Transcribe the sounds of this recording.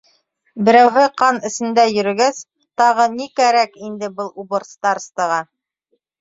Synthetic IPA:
bɘ̆ɾæwɦɘqɑnɘ̆sɘ̆nd̪æjɵ̆ɾɘ̆ɡæs | t̪ɑʁɤnikæɾækind̪ɘbɤlˠubŏɾst̪ɑɾst̪ɤ̆ʁɑ

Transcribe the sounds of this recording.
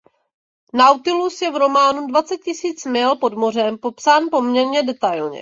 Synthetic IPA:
nawt̪ɪlusjɛvɾo̞maːnudvat͡sɛt̪̚cɪsiːt͡smɪlpo̞dmo̞r̝ɛmpo̞psaːnpo̞mɲɛɾɲɛdɛt̪ajlɲɛ̰

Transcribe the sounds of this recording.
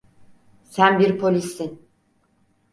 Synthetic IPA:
sænbiɾpʰolʲisːin

